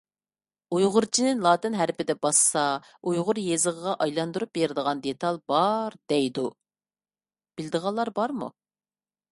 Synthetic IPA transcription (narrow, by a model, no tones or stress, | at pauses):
ujʁʊɾt͡ʃʰinɪnlˠɑːt̪ɪnɦæɾpɪd̪ɛbɑsɑ | ujʁʊɾjezəʁəʁɑʔɑjlˠɑnd̪uɾup̚beɾɪd̪əʁɑnd̪et̪ʰɑlˠbɑɾd̪̥ɛjd̪u | b̥ɪld̪əʁɑlˠːɑɾbɑɾmṵ